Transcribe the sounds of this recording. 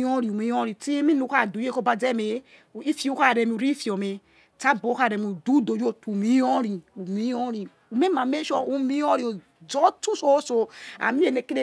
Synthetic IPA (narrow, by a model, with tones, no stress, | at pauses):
ɔ˦ɾi˨u˨mi˦ɔ˦ɾi˨ti˦mi˦nu˨˦ka˦˨du˨je˦ko˦ba˨d͡ze˦me˨˦˨ | i˦fi˦u˦ka˦˨ɾe˨mi˨u˨ɾi˦fi˨o˨me˨ | ta˦bo˨˦ka˦˨ɾe˨mi˨u˨du˦do˨d͡ʒo˦tu˨mi˦ɔ˦ɾi˨u˨mi˦ɔ˦ɾi˨ | u˨me˦ma˨me˦ʃo˨u˦mi˦ɔ˦ɾi˨o˨ | d͡zɔ˦tu˦so˦so˨a̰˨mi˦e˨ne˨ke˦ɾe˦